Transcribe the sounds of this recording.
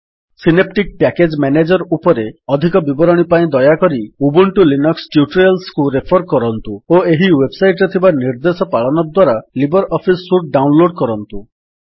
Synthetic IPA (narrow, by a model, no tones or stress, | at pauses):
sinep̚ʈik̚pɛked͡ʒmɛned͡ʒɔɾupɔɾeɔd̪ʱikɔbibɔɾɔɽ̃ipaĩd̪ɔjakɔɾiubuɳʈulinɔksʈjuʈɾialskuɾepʰɔɾkɔɾɔnt̪uoeɦiwebsajʈɾet̪ʰibaniɾd̪esɔpaɭɔnɔd̪waɾalibɔɾɔpʰisːuʈ̚ɖaunloɽkɔɾɔnt̪u